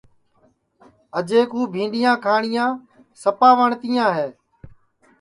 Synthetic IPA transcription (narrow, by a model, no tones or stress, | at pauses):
əd͡ʒeːkɦuːbʱĩːɳɗɪjãːkʰaːɳɪjãː | səpaːʋəɳt̪ɪjãːɦeː